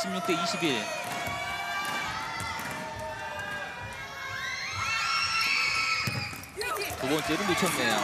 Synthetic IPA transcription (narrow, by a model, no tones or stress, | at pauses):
ɕʰimɲuŋt͈eiɕʰibiɭ | koɡʌnt͡ɕ͈eɾɯnut͡ɕʰʌmɲida